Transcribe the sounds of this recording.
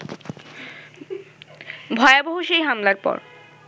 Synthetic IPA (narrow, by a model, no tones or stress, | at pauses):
bʱɔeaboɦuʃejɦamlaɾpɔ̰ɾ